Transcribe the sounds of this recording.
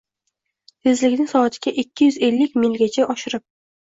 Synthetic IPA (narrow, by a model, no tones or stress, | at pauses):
t̪ʰezlɪkʲnɪŋʲsɒːt̪ʰɪɡʲaʔɪkʲːɪjʏze̞lːɪkʲmɪŋɡʲat͡ʃʰaʔɒʃɪɾɪp̚